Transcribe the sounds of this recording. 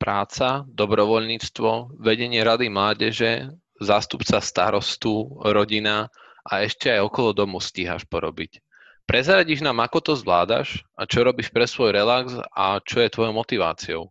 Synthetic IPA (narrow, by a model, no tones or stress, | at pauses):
pɾaːt͡sad̪ɔbɾɔʋɔʎɲiːt͡st̪ʋɔʋɛɟɛɲɪɛɾad̪imlaːɟɛʒɛ | zaːst̪upt͡sast̪a̰ɾɔst̪uɾɔɟina | ʔaɛʃcɛajɔkɔlɔd̪ɔmusciːɦa̰ʃpɔɾɔbic | pɾʔɛzɾaɟiʒnaːmakɔt̪ɔzʋlaːd̪a̰ʃʔat͡ʃɔɾɔbiʃpɾɛsʋɔjɾɛlaɡsa̰t͡ʃɔjɛt̪ʋɔjɔʊmɔt̪iʋa̰ːt͡siɔ̰ʊ